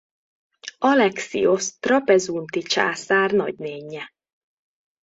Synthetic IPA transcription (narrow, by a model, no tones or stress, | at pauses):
ɒlɛksḭost̪rɒpɛzunt̪it͡ʃa̰ːsaːrnɒ̰ɟneːɲːɛ